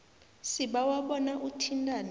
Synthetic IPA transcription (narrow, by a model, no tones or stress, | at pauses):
siɓawaɓɔnaʔutʰintʼan